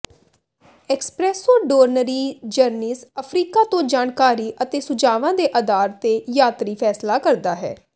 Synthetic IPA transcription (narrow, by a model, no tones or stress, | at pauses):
ɛːkspɾɛːsɔːɾɖoːɾnəɾiːd͡ʒəɾniːsəpʰɾiːkaːt̪õːd͡ʒaːnkaːɾiːʔət̪eːsʊd͡ʒaːʋãːd̪eːʔəd̪aːɾt̪eːjaːt̪ɾiːpʰɛːslaːkəɾd̪aːɦɛ̰ː